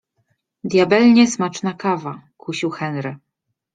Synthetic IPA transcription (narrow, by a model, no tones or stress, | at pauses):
d̪ʲjabɛlɲɛsmat͡ʂnakavakuɕiwxɛnɾɘ